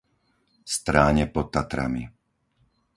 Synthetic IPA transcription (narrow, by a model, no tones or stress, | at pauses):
st̪ɾaːɲɛpɔt̪ːat̪ɾa̰mi